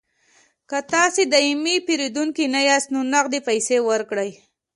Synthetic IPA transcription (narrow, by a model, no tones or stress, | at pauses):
kat̪ɑsed̪aimipiɾid̪uŋkinajɑst̪nonaqd̪epajsewəɾkɽəj